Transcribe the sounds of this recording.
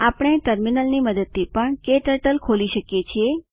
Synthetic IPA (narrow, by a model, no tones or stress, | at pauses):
apɽ̃eʈəɾminəlniməd̪əd̪̚ipəɳkeʈəʈəlkʰoliʃəkjet͡ʃʰie